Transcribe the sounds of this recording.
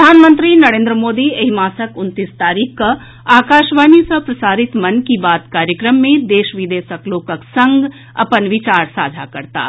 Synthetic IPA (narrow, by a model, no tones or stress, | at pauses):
pəd̪ʱaːnmə̃nt̪ɾinɐɾẽːnd̪ɾəmoːd̪ieɦimaːsəkʊnt̪ist̪aːɾiːkʰka | aːkaːʃʋaːnisɐpɾɐsaːɾɪt̪mɐnkibaːt̪kaːɾjəkɾəmːẽd̪eːʃʋid̪eːsəkloːkəksə̃ŋɡ | ɐ̰pənʋɪt͡ʃaːɾsa̰ːd͡ʒʱakɐɾt̪a̰ː